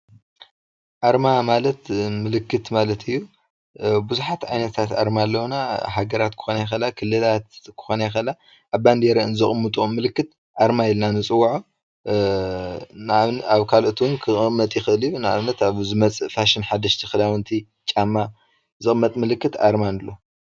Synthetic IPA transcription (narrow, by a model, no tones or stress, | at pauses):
ʔaɾmamalɐt̪mɨlɨkːɨt̪malɐt̪ʰɨjːu | buzuħat̪ʕajnɐt̪ʰat̪a̰ɾmalːɐwnaɦaɡɐɾat̪kʰɨ̥xonajɛxɐlakʰɨlːɨlat̪kʰɨ̥xo̞najɛxɐla | ʔːβband̪eɾɨnzɨχʼmɨt̪ʼumɨlɨkːɨt̪ | ʔaɾmajɪlnanɨt͡sʼɨwːaʕo | nβaβkʰalʔɨt̪ʰwunkʰɨʔʼɨmːɐt̪ʼjɪxɨʔɨlɨjunɨa̰βnɐt̪aβzɨmɐt͡sʼɨfaʃinħad̪ɐʃt̪ʰixɨlawɨnt̪ʰi | t͡ʃʼamːa | zɨχʼɨmːɐt̪ʼmɨlɨkːɨt̪a̰ɾmanlːo